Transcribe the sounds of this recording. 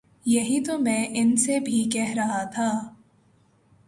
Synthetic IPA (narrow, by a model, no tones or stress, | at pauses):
jɐɦit̪omɛ̃ːʔɪnsebʱikɛɦɾɐɦat̪ʰaː